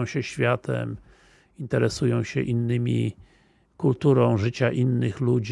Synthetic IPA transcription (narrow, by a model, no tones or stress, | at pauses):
w̃ɕɛɕfʲjat̪ʰɛ̰m | int̪ɛɾɛsujɔ̃w̃ɕɛ̰ʔinːɘmʲḭ | kult̪uɾɔ̃w̃ʐɘt͡ɕaʔinːɘxlud͡ʑ